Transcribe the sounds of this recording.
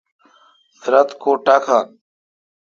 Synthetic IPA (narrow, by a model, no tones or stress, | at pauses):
sɾət̪kʰoːʈaːkʰaːn